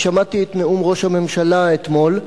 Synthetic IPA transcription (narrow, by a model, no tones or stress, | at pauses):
ʃamat̪iet̪neumʁo̞ʃhame̞mʃalaet̪mo̞l